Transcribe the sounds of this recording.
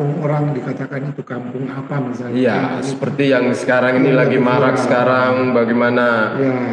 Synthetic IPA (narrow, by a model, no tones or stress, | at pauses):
ŋoɾaŋdikat̪akanit̪ukampʊŋapamisalijasə̥pərt̪ijaŋsə̥kaɾaŋinilaɡimaɾak̚sə̥kaɾaŋbaɡajmanaja